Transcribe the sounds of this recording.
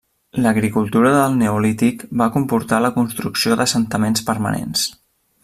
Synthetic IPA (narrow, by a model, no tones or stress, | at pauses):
ləɣɾikulˠt̪uɾəðəlˠneulit̪ikbakumpuɾt̪aləkunst̪ɾuksioðəsənt̪əmenspəɾmə̰nḛns